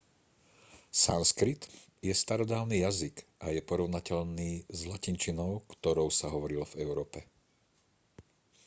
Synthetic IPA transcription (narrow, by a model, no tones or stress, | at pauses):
sanskɾit̪jɛst̪aɾɔd̪aːʊniːjaziɡʔajɛpɔɾɔʊnacɛʎniːzlacint͡ʃinɔʊkt̪ɔɾɔʊsaɦɔʋɔɾilɔvɛʊɾɔːpɛ